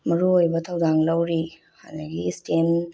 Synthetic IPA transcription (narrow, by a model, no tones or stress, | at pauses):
mɐɾuojbɐt̪ʰɐwdaŋlɐwɾi | ha̰nɐɡistem